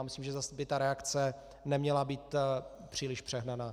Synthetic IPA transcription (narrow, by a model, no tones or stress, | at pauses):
mɪslimʒɛzasbɪt̪aɾɛakt͡sɛ | nɛmɲɛlabiːt̪ | pr̝̥iːlɪʃpr̥ɛɦnanaː